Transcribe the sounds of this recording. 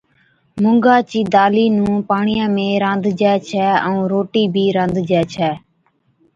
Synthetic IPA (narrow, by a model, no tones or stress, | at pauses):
mʊŋɡaːt͡ʃiːd̪aːliːnũːpaːɳijãːmẽːɾãːnd̪ʱd͡ʒɛːt͡ʃʰɛːəũːɾoːʈiːbʱiːɾãːnd̪d͡ʒɛːt͡ʃʰɛː